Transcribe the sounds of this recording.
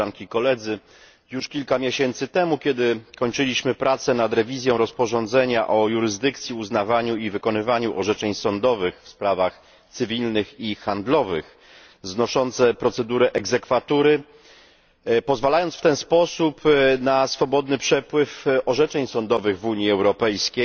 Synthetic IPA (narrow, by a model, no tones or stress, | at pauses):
aŋkʲikɔlɛd̪zɘ | juʂkʲilkamʲjeɕɛnt̪sɘt̪ɛmukʲjɛd̪ɘkɔɲt͡ʂɘlʲiɕmɘpɾʔat̪sɛnad̪ɾɛvʲizʲjɔ̃w̃ɾɔspɔʐɔnd̪zɛɲaʔɔjuɾɘzd̪ɘkt̪sʲjiuznavaɲuivɘkɔnɘvaɲuʔɔʐɛt͡ʂɛɲsɔnd̪ɔvɘxfspɾavax | t̪sɘvʲilnɘxixand̪lɔvɘ̰x | znɔʂɔnt̪sɛpɾɔt̪sɛd̪uɾɛʔɛɡzɛkfat̪uɾɘ | pɔzvalajɔntsft̪ɛnspɔsupnasfɔbɔd̪nɘpʂɛpwɘfɔʐɛt͡ʂɛɲsɔnd̪ɔvɘɣvuɲiɛwɾɔpɛjskʲej